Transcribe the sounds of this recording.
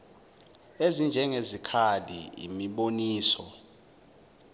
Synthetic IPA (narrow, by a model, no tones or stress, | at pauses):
ezind͡ʒʱɛŋezikʰalḭḭmiɓoniːsɔ